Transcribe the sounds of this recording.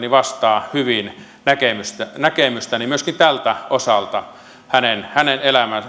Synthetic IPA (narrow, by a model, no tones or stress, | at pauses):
niʋɑst̪ɑːhyʋin | nækemyst̪ænækemyst̪ænimyøskint̪ælt̪æosɑlt̪ɑ | hænenhænenelæmæn